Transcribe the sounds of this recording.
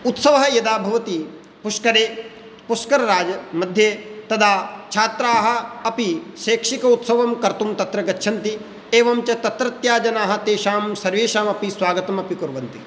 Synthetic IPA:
ut̪sɐʋɐɦɐjɐd̪aːbʱɐʋɐt̪i | puʂkɐɾeː | puskɐɾɐɾaːd͡ʒɐmɐd̪ʱjeːt̪ɐd̪ʰʱaːt͡ʃʰaːt̪ɾaːɦɐ̆ɐpiʃeːkʂikɐut̪sɐʋɐmkɐɾt̪umt̪ɐt̪ɾɐɡɐtːʃʰɐnt̪i | eːʋɐmt͡ʃɐt̪ɐt̪ɾɐt̪jaːd͡ʒɐnaːɦɐ̆t̪eːʃaːmsɐɾʋeːʃaːmɐpisʋaːɡɐt̪ɐmɐpikuɾʋɐnt̪i

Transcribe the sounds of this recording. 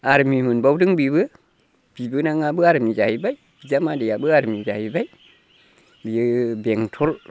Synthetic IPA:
aɾmimɨnbawdɨŋbibɨ | b̥ibɨnaŋabɨaɾmid͡ʒahibaj | b̥id͡ʒamadijabɨaɾmid͡ʒa̰hibaj | bibeŋtʰol

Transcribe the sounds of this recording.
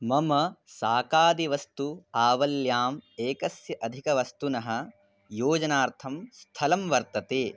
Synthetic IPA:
mɐmɐsaːkaːd̪iʋɐst̪uaːʋɐljaːmeːkɐsjɐʔɐd̪ʱikɐʋɐst̪unɐɦɐ̆ | joːd͡ʒɐnaːɾt̪ʰɐmst̪ʰɐlɐmʋɐɾt̪ɐt̪eː

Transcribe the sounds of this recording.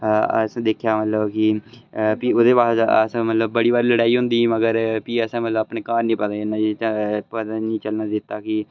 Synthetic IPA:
ə̰sãːd̪eːkʰjaːmət̪ləbkɪ | piːʊd̪eːpaːsə̰sãːmət̪ləb̚ːəɽiːbaːɾiləɽaːiːɦʊ̃nd̪iːməɡəɾpiːəsãːmət̪ləbəːpneːkaːɾnĩːpət̪ãːɪnãpət̪ãːnĩːt͡ʃəlnaːd̪ɪt̪ːaːkɪ

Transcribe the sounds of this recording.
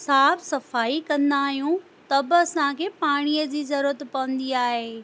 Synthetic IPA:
saːbsɐfaːikɐ̃nd̪aːɦijũ | t̪ɐbɪɐsãkʰeːpaːɽ̃ijəd͡ʑiːzɐɾuːɾət̪pɐʋə̃nd̪iaːɦeː

